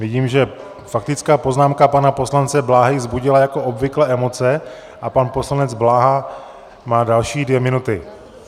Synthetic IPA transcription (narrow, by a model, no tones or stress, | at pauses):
vɪɟiːmʒɛ | fak̚t̪ɪt͡skaːpo̞znaːmkapanapo̞slant͡sɛblaːɦɪzbuɟɪlajako̞ʔobvɪklɛːʔɛmo̞t͡sɛ | ʔapanpo̞slanɛd͡zblaːɦa | maːdalʃiːdvjɛmɪnut̪ɪ